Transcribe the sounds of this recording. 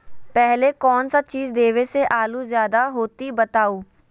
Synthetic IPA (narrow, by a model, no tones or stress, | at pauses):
pɛɦleːkɔːnsat͡ʃiːzd̪eːʋeːseːʔaːluːzjaːd̪aːɦoːt̪iːbət̪aːuː